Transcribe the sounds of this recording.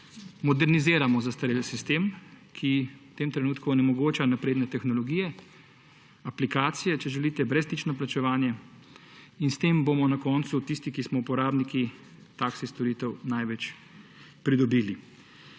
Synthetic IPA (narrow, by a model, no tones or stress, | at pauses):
mɔd̪ɛɾnizeːɾamɔzast̪aɾelsist̪eːmkʰiwt̪eːmt̪ɾɛnuːt̪kuɔnɛmɔɡoːt͡ʃanapɾeːd̪nɛt̪ɛxnɔlɔɡiːjɛ | aplikaːt̪sijɛt͡ʃɛʒɛlit̪ɛbɾɛst̪it͡ʃnɔplat͡ʃɛʋaːnjɛ | inst̪eːmbomɔnakɔːnt̪sut̪ist̪ikismɔupɔɾaːbniki | t̪aksist̪ɔɾiːt̪ɛwnajʋɛt͡ʃ | pɾid̪ɔbiːli